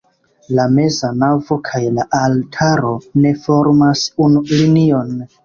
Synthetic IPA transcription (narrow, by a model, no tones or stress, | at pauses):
lame̞zanavo̞kʰajlaʔaltʰaɾo̞ne̞fo̞ɾmasunulinio̞n